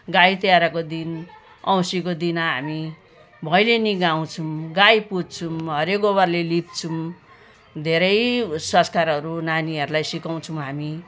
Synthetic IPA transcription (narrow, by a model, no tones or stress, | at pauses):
ɡajt̪jaɾakod̪in | ʌw̃sikod̪inaɦami | bʱʌjleniɡaw̃t͡sʰumɡajpud͡zt͡sʰumɦʌɾekobʌrlelip̚t͡sʰum | d̪ʱeɾʌjsʌ̃nskaɾɦʌɾunaniɦʌɾulajsikaw̃t͡sʰuw̃ɦami